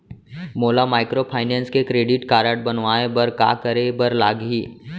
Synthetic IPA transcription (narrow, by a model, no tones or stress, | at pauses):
moːlamaːɪkɾopʰaːɪnɛ̃ːnskekɾeːɖɪʈkaːɾəʈ̚bɐnʋaːẽbɐɾka̰ːkəɾebəɾlaːɡɦiː